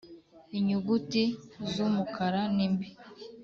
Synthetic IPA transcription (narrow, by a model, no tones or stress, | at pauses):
iɲuɡutizumukaɾanimbi